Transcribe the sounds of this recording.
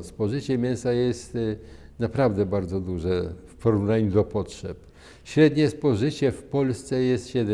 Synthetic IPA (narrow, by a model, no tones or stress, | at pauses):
spɔʐɘt͡ɕɛmʲjɛ̃w̃sajɛst̪napɾavd̪ɛbaɾd̪zɔd̪uʐɛfpɔɾuvnaɲud̪ɔpɔtʂɛp | ɕɾɛd̪ɲɛspɔʐɘt͡ɕɛfpɔlst̪sɛjɛst̪ɕɛd̪ɛ